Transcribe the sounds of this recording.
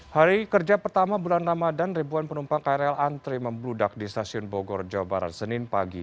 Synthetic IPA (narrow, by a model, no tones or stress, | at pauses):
haɾikərd͡ʒapərt̪amabulanramadanribuanpənumpaŋkaɾalant̪ɾiməmbludak̚dist̪asiʊnbɔɡɔrd͡ʒawabaɾa̰t̪̚sənɪnpaɡi